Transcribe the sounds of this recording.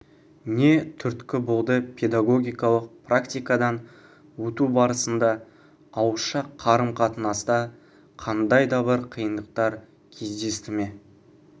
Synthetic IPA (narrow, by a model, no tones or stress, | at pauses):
ne̞t̪ʰʏɾt̪kʲɪbolˠd̪əpʰe̞d̪aɡo̞ɡʲijkɑlˠəq̚prakt̪ijkad̪ɑn | wɵt̪ubɑɾəsənd̪ɑː | wəʃɑqʰːɑɾəmqʰɑt̪ənɑst̪ɑ | qʰɑnd̪ɑjd̪ɑbɪɾqʰijənd̪əq̚t̪ɑɾ | kʲʰe̞zd̪e̞st̪ɪme̞